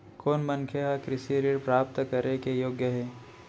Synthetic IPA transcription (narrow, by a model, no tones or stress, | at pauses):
koːnmənkʰeɦakɾɪsiɾiɾpɾaːp̚t̪kəɾekejoːɡjəɦɛː